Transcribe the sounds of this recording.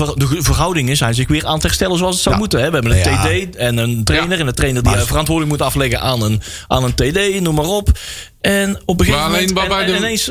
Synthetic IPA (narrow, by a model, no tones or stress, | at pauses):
dəvərɦʌwdɪŋənzɛjnzɪxʋɪːraːnəthɛrstɛləzoɑlˠsətsɔmutəɦɛʋəɦɛbənəntedejɛnəntrejnərɛndətrejnərdivərɑntʋʊːrdələkmutənɑflɛɣənʔaːnən | ʔa̰ːnəntedejnumarɔp | ɛnɔp̚bəɣevɛɪnejns